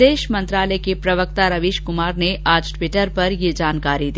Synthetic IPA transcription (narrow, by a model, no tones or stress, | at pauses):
eːʃmɐ̃nt̪ɾaːləekepɾɐʋək̚t̪aɾɐʋiːʃkʊmaːɾneʔaːd͡ʒʈʋɪʈəɾpɐɾjed͡ʒaːnkaːɾid̪i